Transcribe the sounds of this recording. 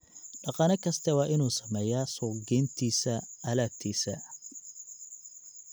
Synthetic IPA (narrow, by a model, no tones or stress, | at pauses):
ɖɑqɑːnɐkʰɐst̪ʰɐwɑːʔɪnuːsɐmɛːjaːsɔːɡɛːnt̪ʰiːsɐɐlaːt̪ʰiːsɐ̰